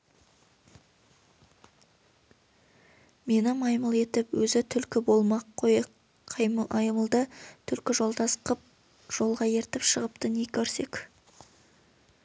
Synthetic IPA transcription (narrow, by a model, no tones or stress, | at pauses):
me̞nɪmɑjməlˠe̞t̪ɪpwɵzɪt̪ʰʏlkʲɪbo̞lˠmɑqʰːojə | ɑjmʔɑjməlˠd̪ət̪ʰʏlkʲɪʒo̞lˠd̪ɑsqəp̚ | ʒ̥o̞lˠʁɑje̞ɾt̪ɪpʃəʁəpt̪ənekʲʰɵɾse̞kʲ